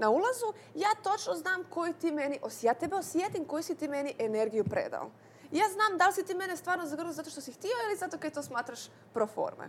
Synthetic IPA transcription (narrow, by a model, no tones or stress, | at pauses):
naulˠazu | jaːt̪o̞t͡ʃnoznaːmko̞jut̪iːmeniʔosjaːt̪ebeosjet̪imko̞jusit̪iːme̞niʔeneɾɡijupɾḛːd̪a̰o̰ | ijaːznaːmd̪alsit̪iːme̞nest̪vʋaːɾnozaɡr̩nuzat̪o̞ʃt̪osixt̪ioilizat̪okad̪̚t̪oːsmaːt̪ɾaʃ | pɾofo̰ɾmḛ